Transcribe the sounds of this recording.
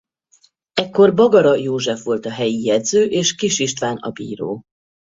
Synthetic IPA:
ɛkːo̞rbɒɡɒɾɒjoːʒɛfʋo̞lt̪ɒɦɛjijɛd̪zøːʔeːʃkiʃiʃt̪ʋaːnɒ̰bḭːɾo̰ː

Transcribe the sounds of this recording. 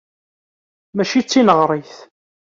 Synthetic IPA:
mæʃit͡sːinəʁɾˤiθ

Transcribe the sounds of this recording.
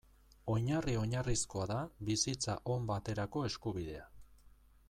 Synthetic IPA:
o̞ɲario̞ɲarisko̞aðaβisit͡sa̰ʔo̞mbat̪e̞ɾako̞e̞skuβiðe̞a

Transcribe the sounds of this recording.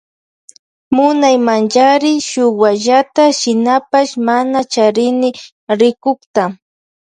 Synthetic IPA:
mʊnajmant͡ʃaɾɪʃʊwaʒat̪aʃɪnapaʃmanat͡ʃaɾɪnɪ | ɾɪkʊkt̪a

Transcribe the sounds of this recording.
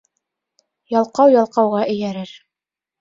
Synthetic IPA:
jɑlˠqɑwjɑlˠqɑwʁɑʔɘ̆jæɾɘɾ

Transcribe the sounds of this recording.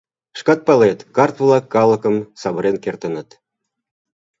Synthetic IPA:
ʃkɑt̪̚pɑlet̪kɑrt̪vlɑkːɑlˠə̆kəmsɑβə̆ɾenkert̪ə̆nə̆t̪

